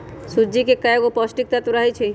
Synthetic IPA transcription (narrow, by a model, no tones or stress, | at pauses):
sud͡ʒikekəeɡopɔsʈik̚t̪at̪uɾaɦit͡ʃʰi